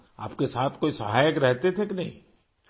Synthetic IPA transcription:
a̰ːpkesaːt̪ʰkoːisɐɦaːjəkɾɛɦt̪et̪ʰekɪnɐɦḭ̃

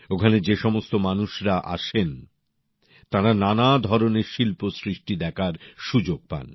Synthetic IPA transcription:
okʰaned͡ʑeʃɔmost̪omanuʃɾaʔa̰ʃen | t̪aɾananad̪ʱɔɾoneɾʃilposɾiʃʈid̪ɛkʰaɾʃud͡ʑoɡ̚pa̰n

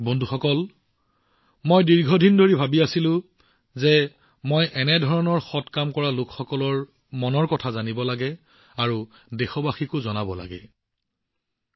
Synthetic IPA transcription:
bɔndʱuxɔkɔl | mojdiɹɡʱɔdʱindoɹibʱabiasilʊ̃ | zɛ | mojʔɛnɛdʱɔɹɔnɔɹxɔtkamkɔɹalʊkxɔkɔlɔɹ | mɔnɔɹkɔtʰazanibɔlaɡɛ | aɹu | dexɔbaxikʊzɔnabɔla̰ɡɛ̰

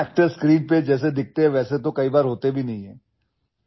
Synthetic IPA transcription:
ɛːk̚ʈəɾskɾiːnped͡ʒɛːs̬ed̪ɪk̚ʰt̪eɦɛ̃ʋɛːset̪okɐibaːɾɦoːt̪ebʱinɐɦĩɦɛ̃ː

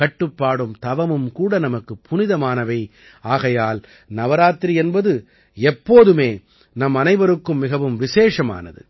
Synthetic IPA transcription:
kɐʈːɯpːaːɽɯmt̪ɐʋɐmɯmkuːɽɐnɐmɐkːɯpʰːʊnɪðɐmaːnɐʋɐɪ | aːɣɐjaːl | nɐʋɐɾaːt̪ɾiɛnbɐðɯ | ɛpːoːðɯmeː | nɐmɐnɐɪbɐɾɯkːɯmːɪɣɐʋɯmʋɪseːʂɐma̰ːnɐ̰ðɯ̰

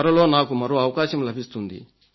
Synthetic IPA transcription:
ɐɾɐlo̞ːnaːkumɐɾoːɐʋɐkaːʃɐmlɐbʱist̪und̪ḭ

